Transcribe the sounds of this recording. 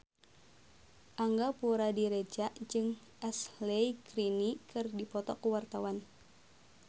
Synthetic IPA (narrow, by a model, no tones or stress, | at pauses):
ʔaŋɡapuɾadiɾed͡ʒaʔd͡ʒɨŋ | ʔɛsleikɾinikɨrdipɔt̪ɔkuwart̪awan